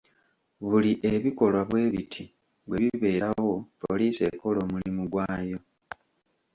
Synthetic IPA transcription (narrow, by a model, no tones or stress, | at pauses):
βuliʔe̞βiko̞lwaβwe̞ːβitʰi | βwe̞βiβe̞ːɾawo̞poliːse̞ko̞lo̞ːmulimuɡwaːjo̞